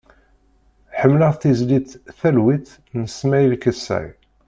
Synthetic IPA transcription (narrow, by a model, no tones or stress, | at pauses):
ħəmːləʁθizlit̪θælwiθ | nəsmæjðkːəsːæ̰j